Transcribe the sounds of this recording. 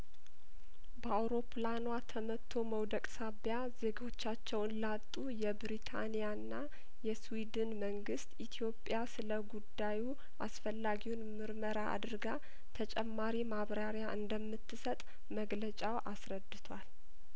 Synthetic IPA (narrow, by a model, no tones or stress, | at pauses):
bəawɾo̞pʰlanwat̪ʰəmət̪ʰːo̞məwd̪əkʼsaβjaze̞ɡo̞t͡ʃːat͡ʃːɛwnlat̪ʼːujɛbɾit̪ʰa̰nijanːa | jɛswid̪ɨnməŋɡɨst̪it̪ʰijo̞pʼjasɨləɡud̪ːaju | ʔasfəlːaɡiwunmɨɾməɾaʔa̰d̪ɾɡa | t̪ʰət͡ʃʼɛmːaɾimaβɾaɾjaʔɨnd̪əmːɨt̪ːɨsət̪ʼ | məɡlət͡ʃʼawʔasɾəd̪ːɨt̪ʰwʷal